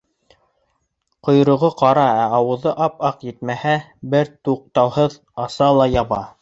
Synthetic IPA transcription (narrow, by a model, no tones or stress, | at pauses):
qŏjɾŏʁɤqɑɾɑæɑwɤ̆ðɤʔɑpɑqjɘ̆t̪mæhæ | bɘɾt̪uq̚t̪ɑwhɤð | ɑsɑlˠɑjɑβɑ